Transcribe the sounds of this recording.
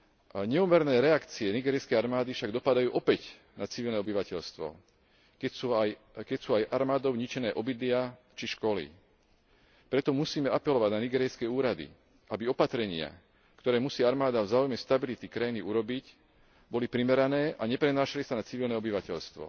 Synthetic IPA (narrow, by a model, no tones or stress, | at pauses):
ɲɛumɛɾnɛːɾɛakt͡siɛniɡɛːɾiskɛjaɾmaːd̪ifʃaɡd̪ɔpad̪ajuːʔɔpɛc | nat͡siʋilnɛɔbiʋacɛʎst̪ʋɔ̰ | kɛuaj | kɛcsuːajʔaɾmaːd̪ɔʊɲit͡ʃɛnɛːʔɔbid̪lɪa | t͡ʃiʃkɔlḭ | pɾɛt̪ɔmusiːmɛapɛlɔʋaɟnaniɡɛːɾɛjskɛuːɾad̪ḭ | ʔabiɔpat̪ɾɛɲɪa̰ | kt̪ɔɾɛːmusiːaɾmaːd̪avzaːujmɛst̪abilit̪ikɾajiniuɾɔbic | bɔlipɾimɛɾanɛːʔaɲɛpɾɛnaːʃalisanat͡siʋilnɛɔbiʋacɛʎst̪ʋɔ̰